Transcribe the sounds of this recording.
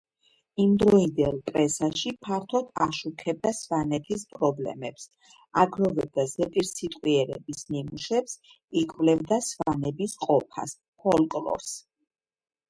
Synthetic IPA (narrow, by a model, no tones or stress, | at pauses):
imd̪ɾɔind̪ɛlˠpʼɾɛsaʃipʰaɾt̪ʰɔd̪aʃukʰɛb̚d̪asvanɛt̪ʰispʼɾɔblɛ̰mɛps | aɡɾɔvɛb̚d̪azɛpʼiɾsit̪ʼqʼwiɛɾɛ̰bisnimuʃɛps | ikʼvlɛvd̪asvanɛbisqʼɔpʰa̰s | pʰɔlˠkʼlɔ̰ɾs